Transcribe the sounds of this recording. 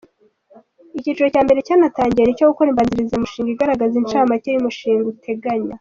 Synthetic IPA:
icit͡ʃuɾo̞caːmbe̞ɾe̞caːnataːɲɟienicoɡukoɾiːmbaːnziɾizamuʃiːŋɡiɡaɾaɡazint͡ʃaːmacejumuʃiːŋɡutʰe̞ɡaɲa

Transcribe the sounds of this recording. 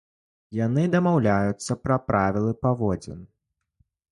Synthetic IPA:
jan̪ɨd̪ɐmawlʲajut̪sːɐpɾɐpɾavʲilˠɨpavɔd͡zʲɛ̰n

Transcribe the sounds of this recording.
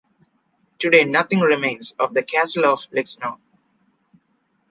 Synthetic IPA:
ʈuɖeːnʌt̪ʰɪ̃ŋɾɪmẽɪ̃nzɔːʋd̪əkæsəlɔʋlɪksnoʊ

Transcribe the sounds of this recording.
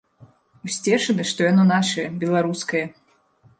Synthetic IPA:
usʲt͡sʲɛʂɐnɨʂt̪ɔjanɔnaʂɐjɐbʲɛlˠaɾuskɐjɐ

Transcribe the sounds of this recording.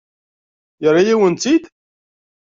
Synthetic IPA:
jəɾˤːijiwənt̪id̪

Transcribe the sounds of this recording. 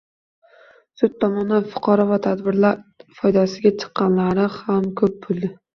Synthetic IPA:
sʊt̪̚ʰːɒmɒnanfʊ̥qʰɒɾɒvat̪ʰad̪bɪɾlaɾfɒjd̪asɪɡʲat͡ʃʰɨ̥qːɑnlaɾɪhamkʰɵp̚bolˠd̪ɪ

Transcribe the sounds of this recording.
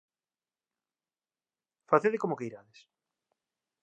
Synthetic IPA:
faθeðekomokeiɾaðes

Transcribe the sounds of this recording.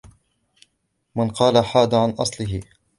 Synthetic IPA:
mɪnqɑːlaħaːd̪aʕanʔɑ̰sˤlɪɦɪ

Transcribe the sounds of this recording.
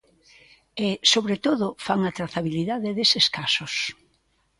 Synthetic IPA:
ɪsoβɾet̪oðʊfaŋat̪ɾaθaβiliðaðɪðesɪskasos

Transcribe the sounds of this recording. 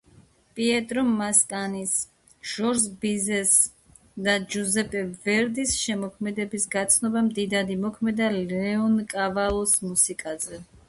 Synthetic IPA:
pʼiɛt̪ʼɾɔmmaskʼanis | ʒ̥ɔɾzbizɛs | d̪ad͡ʒuzɛpʼɛvɛɾd̪isʃɛmɔkʰmɛd̪ɛbisɡat̪sʰnɔbamd̪id̪ad̪imɔkʰmɛd̪alɛɔnkʼavalˠɔsmusikʼazɛ

